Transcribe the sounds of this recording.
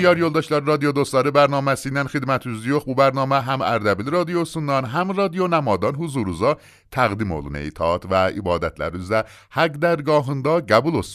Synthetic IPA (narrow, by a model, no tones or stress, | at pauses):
jɒɾjolˠd̪ɒːʃlɒːɾɾɒːd̪ijod̪ost̪ɒːɾebæɾnɒːmæsinænxed̪mæt̪ʰuzijoxbubæɾnɒːmæɦæmæ̰ɾd̪æbilɾɒːd̪ijosund̪ɒnɦæmɾɒːd̪ijonæmɒːd̪ɒnɦuzuɾuzɒ | t̪ʰæɣd̪imolṵnḛit̪ʰɒt̪ʰvæḭbɒːd̪æt̪ʰlæ̰ɾuzæ | hæɡd̪æɾɡɒːɦund̪ɒːɡæbulos